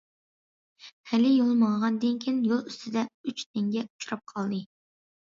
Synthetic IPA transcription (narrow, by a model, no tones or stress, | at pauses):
hɛlɪjolˠmɑŋʁɑnd̪ɨnkʲʰinjolˠyst̪ʰɪd̪ɛyt͡ʃt̪ʰɪŋɡʲɛu̥t͡ʃʰuɾɑp̚qʰɑlˠd̪ɨ